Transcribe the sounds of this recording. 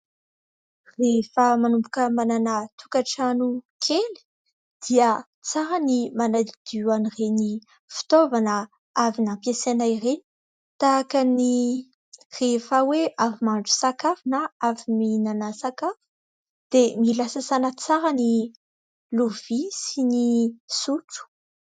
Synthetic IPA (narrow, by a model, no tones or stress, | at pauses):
refəmanumbukəmananat̪ukaʈ͡ʂanukʰeli̥ | d̪̥iə | t͡saɾanimanaid̪̥ianireni | fi̥t̪ovanə | avinampjesanajreni̥ | t̪akəni | refaweʔavimaɳɖ͡ʐu̥sakafunaaviminanəsakafu̥ | d̪̥emilasəzanət͡saɾani | luv̥isinisuʈ͡ʂu̥